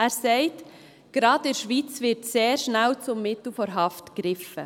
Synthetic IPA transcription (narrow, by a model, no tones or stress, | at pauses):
æːɾsɛɪt | ɡ̥ɾɑːdɪɾʃʋiːt͡svɪɾtseːɾʃnælt͡sʊmːɪtl̩fɔɾɦɑftkɾɪfə